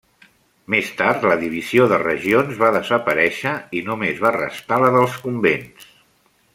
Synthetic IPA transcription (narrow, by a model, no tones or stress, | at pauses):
mest̪aɾt̪ləðiβ̞izioðərə̰ʒionzβaðəzəpəɾɛʃəinumezβarə̰st̪aləðəlˠskumbens